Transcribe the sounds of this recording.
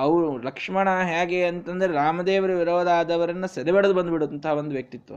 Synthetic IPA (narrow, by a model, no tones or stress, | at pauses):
ɐʋulɐkʂmɐɳaɦjaːɡeɐnt̪ɐnd̪ɐɾeɾaːmɐd̪eːʋɐɾɐʋiɾoːd̪aːd̪ɐʋɐɾɐnːɐsɐɾeʋɐɽɐd̪ubɐnd̪biɽoɐnt̪ɐɦɐʋond̪uʋjɐk̚t̪it̪ʋɐ̰